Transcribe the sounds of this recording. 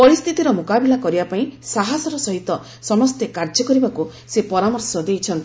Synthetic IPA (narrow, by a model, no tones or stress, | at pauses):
pɔɾist̪ʰit̪iɾɔmokabilakɔɾibapaĩsaɦasɔɾɔsɔɦit̪ɔ | sɔmɔst̪ekaɾd͡ʒɔkɔɾibaku | sepɔɾamɔɾsɔd̪ejt͡ʃʰɔnt̪i̥